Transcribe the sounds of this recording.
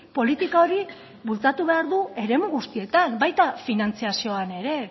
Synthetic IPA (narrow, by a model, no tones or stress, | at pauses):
po̞lit̪ikao̞ɾi | βult͡sat̪uβe̞aɾðue̞ɾe̞muɣust̪ie̞t̪anbajt̪afinant͡siasio̞ane̞ɾe̞